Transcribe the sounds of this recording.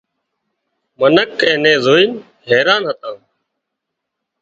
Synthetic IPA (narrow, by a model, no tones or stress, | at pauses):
mənəkɛ̃ːnẽːzoːiːn | ɦɛːɾaːnɦət̪ãː